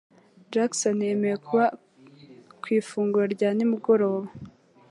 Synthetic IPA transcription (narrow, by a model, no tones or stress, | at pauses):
d͡ʒaksonemejekuβa | kwiːfuːŋɡuɾaɾɟaːnimuɡo̞ɾo̞ːβa